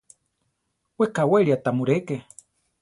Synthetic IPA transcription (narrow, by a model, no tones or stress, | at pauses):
wekaweɾiat̪amuɾeke